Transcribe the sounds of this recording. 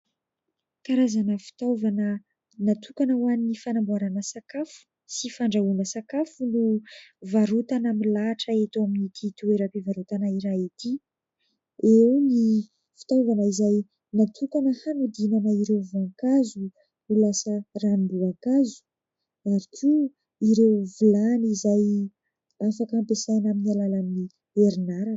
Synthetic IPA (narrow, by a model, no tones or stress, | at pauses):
kaɾazanəfi̥t̪avanə | nat̪ʰukanəwaninifanambuaɾanəsakafu̥ | sifaɳɖ͡ʐauləsakafunuvaɾut̪anamilaʈ͡ʂəet̪oaminit̪it̪ueɾapevaɾut̪anaiɾait̪i | ewni | fi̥t̪awvanəizaj | nat̪ʰukanəhanud̪inanaiɾewvuaŋkazu | ulasəranibuakazu̥ | aɾikʰʲu | iɾewvulanizaj | afakampesajnaminialalamini | eɾinaɾa